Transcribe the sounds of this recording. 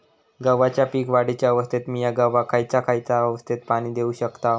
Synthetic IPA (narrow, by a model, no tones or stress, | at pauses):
ɡəʋːat͡ɕjapiːkʋaɽit͡ɕjaəʋəst̪ʰet̪miːjaɡəʋakʰajt͡sakʰajt͡saəʋəst̪ʰit̪̚paɽ̃iːd̪euɕəkt̪a